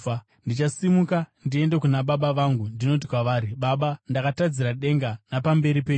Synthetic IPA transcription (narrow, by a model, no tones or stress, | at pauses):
ndit͡ʃasimukandie̞nde̞kunaɓaɓaʋaŋɡundino̞t̬i̥kwaʋaːɾiɓaɓandakatad͡ziɾaɗe̞ŋɡanapambe̞ɾipeːɲu